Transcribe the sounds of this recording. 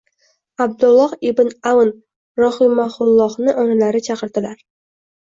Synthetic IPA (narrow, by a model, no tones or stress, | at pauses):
ab̚d̪ʊlˠːɒhɪbnawn | ɾɒχimaχʊlˠːɒχnɪʔoɴlaɾɪt͡ʃʰɑqəɾd̪ɪlaɾ